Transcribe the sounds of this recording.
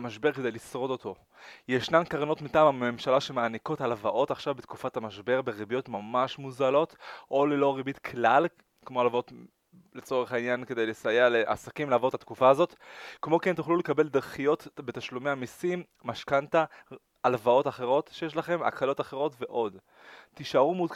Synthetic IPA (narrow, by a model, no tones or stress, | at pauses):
maʃbe̞ʁke̞dejlisʁo̞do̞t̪ʰo̞ | jeʃnamkaʁno̞tmitaːmamemʃalaʃe̞meaniko̞talvaʔo̞taχʃavbet̪kufathamaʃbe̞ʁbeʁibijo̞t̪mamaʃmuzalo̞t̪ʔo̞lelo̞ʁibit̪kʰlal | kmo̞alvao̞t | le̞t͡so̞ʁeχainjanke̞d̪e̞jlesajaleʔa̰sakimlaːvo̞tːat̪kufaːzo̞tkmo̞kent̪uχlule̞kabe̞ld̪aʁχijo̞tbe̞taʃlumeamisimːaʃkantaː | lvao̞taχe̞ʁo̞tʃejeʃ̬laχe̞ma̰kalo̞taχe̞ʁo̞tveʔo̞d | t̪iʃaʁumud